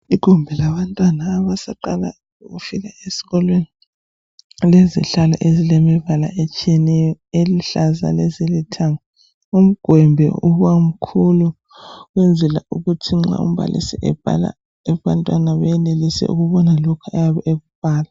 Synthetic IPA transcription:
iɡ̥ʱumbʱɛlaβantʼwanaːβasaǃala̰ | ɣufiɣaesi̥ɣɔlweni | lezḭɬalɔ̰ʔezilemiβala̰ʔet͡ʃʼijɛnɛjɔeliɬaza̰lezilitʰaŋa | um̩ɡ̥ʱwɛmbʱɛ̰uɣam̩kʰulu | ɣwend͡zʱɛla̰uɣutʰiŋ͡ǁa̰ṵm̩βa̰lʔḭsɛʔɛ̰b̥ʱa̰la̰ | ɛβantʼwanaβɛjɛlelisɛ̰ʔṵɣuβɔnalɔkʰuajaβɛʔeɣub̥̚ʱaːla

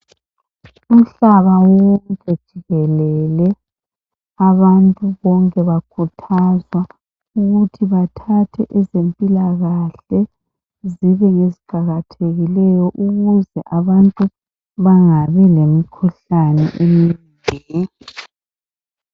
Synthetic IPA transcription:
um̩ɬaβawɔŋkʼɛd̥ʒ̥ʱiɣɛlɛlɛ | aβantʼuβɔŋkʼɛβakʰutʰazwa | uɣutʰiβatʰatʰɛʔɛzempʼilaɣaɬɛ | ziβɛŋeziɡ͡ǃ̥ʱaɣatʰeɣilɛjɔʔuɣuzɛʔaβantʼu | βaŋaβɛlemikʰuɬanɛ̰ʔeminbʱi

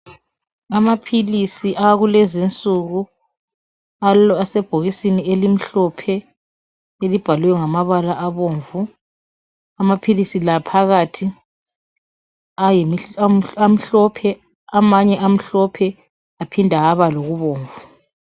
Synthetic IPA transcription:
amapʰilisiʔaɣulezint͡sʼuɣu | asɛb̥ʱoɣisinielim̩ɬɔpʰɛ | elib̥ʱaluɛŋamaβalaʔaβoːɱvu | amapʰilisilapʰaɣatʰi | aj | am̩ɬɔpʰɛ | amaɲɛʔam̩ɬɔpʰɛ | apʰindʱaaβaloɣuβoːɱvu

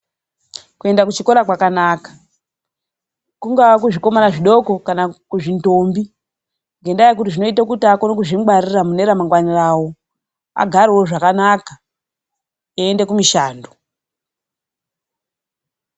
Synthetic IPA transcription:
kue̞ndakut͡ʃikoɾakwakanaːkḁ | kuŋɡak̬uʐiko̞manaʐiɗo̞ko̞kanakuʐintoːmbi | ŋɡe̞ndajekutiʐino̞itak̬utiakonokuʐimɡariramune̞ɾamaŋɡwanirawo̞ | a̰ɡʱaɾewoʐakanaka | jaendekumiʃaːndu

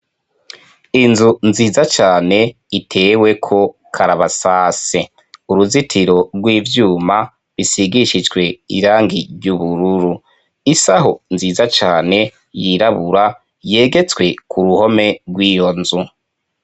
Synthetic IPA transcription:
inzunziːzat͡ʃaːne̞ | itʰe̞ːwe̞kʰo̞ | kʰaɾaβasaːse | uɾuzitʰiɾo̞ɾɡwiːvjuːma | βisiɡiʃid͡ʒɡwe̞ḭɾaːŋɡiɟuβuɾuɾu | isaɦonziːzat͡ʃaːne̞ | jiɾaβuɾa | je̞ːɡe̞t͡skwe̞kʰuɾuho̞me̞ɡwiːjo̞nzu

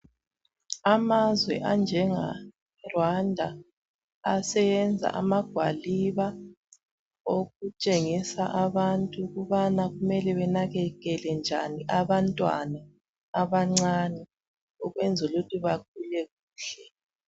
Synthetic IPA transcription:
amazwɛ̰ʔand͡ʒʱɛŋa̰ | rwandʱa̰ː | sɛjɛnd͡zʱa̰ʔa̰maɡ̥ʱwa̰liβa | oɣut͡ʃʼeŋisaʔaβantʼuɣuβanaɣumɛlɛβɛnaɣɛɣɛlɛnd͡ʒʱaniʔaβantʼwa̰naː | βaŋ͡ǀanɛ | ɔɣwɛnd͡zʱulutʰʼiβak̚ʰulɛɣuːɬɛ

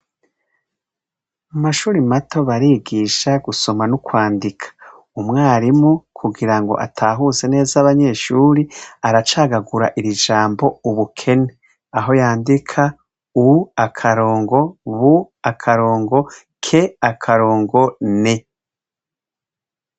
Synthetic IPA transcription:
umaʃuːɾimato̞βaɾiːɡiʃaɡuso̞manukwaːndikʰḁ | umŋaːɾimokʰuɡiɾaŋɡo̞̰ʔatʰaːɦuze̞ne̞ːzaβaɲe̞ʃuːɾiaɾat͡ʃaːɡaɡuɾa̰ʔiɾiʒaːmbo̞uβukʰe̞ne | aɦo̞jaːndikʰa | uakʰaɾo̞ːŋɡo̞βu | akʰaɾo̞ːŋɡo̞ | kʰe̞akʰaɾo̞ːŋɡo̞ne̞

